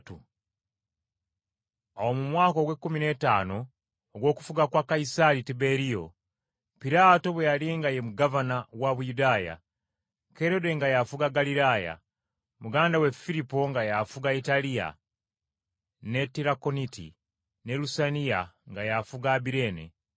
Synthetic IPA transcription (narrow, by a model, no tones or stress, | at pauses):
tu | awo̞mumwaːko̞ɡwe̞kːumine̞taːno̞ː | ɡwo̞ːku̥fuɡakwakaisaɾitibe̞ɾijo̞̰ | piɾaːto̞βwejaliːŋɡajemuɡavanawaβujudaːja̰ | ke̞ɾode̞ŋɡajafuɡaɡaliɾaːja̰ | muɡaːndawe̞fiɾipo̞ŋɡajafuɡaitalija̰ | ne̞tiɾako̞nitḭ | ne̞lusanija̰ŋɡajafuɡaːbiɾe̞ːnḛ